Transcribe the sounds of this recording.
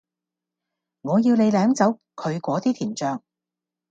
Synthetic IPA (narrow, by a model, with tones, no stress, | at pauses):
ŋɔː˨˧jiː˧wle˨˧jlɛː˨˥mt͡sɐ˨˥w | kʰɵ˨˧ɥkʷɔː˨˥t̪iː˥t̪ʰiː˨˩nt͡ʃœː˧ŋ